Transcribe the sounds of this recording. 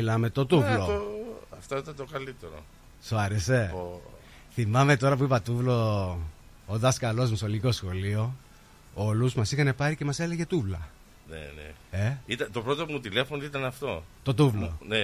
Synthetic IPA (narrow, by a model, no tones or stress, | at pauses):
milɐme̞t̪o̞t̪uvloɐft̪oit̪ɐnt̪okɐlit̪eɾo̰ | soɐɾese̞ | θimɐme̞t̪o̞ɾɐp̬uipɐt̪uvlo̞ | oðɐskɐlo̞zmusoliko̞sxo̞lio̞ | oluzmɐsixɐne̞pɐɾice̞mɐsele̞ʝe̞t̪uvlɐ | nḛnḛe̞it̪ɐt̪o̞pɾo̞t̪opumut̪ile̞fonit̪ɐnɐft̪o̞t̪o̞t̪uvlo̰ne